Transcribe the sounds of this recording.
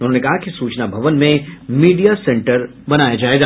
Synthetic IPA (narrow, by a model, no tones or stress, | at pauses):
ʊnɦõːnekɐɦakisuːt͡ʃnabʱɐʋənmẽmiːɖijasɛ̃ɳʈəɾ | bɐnaːjad͡ʒaːeɡa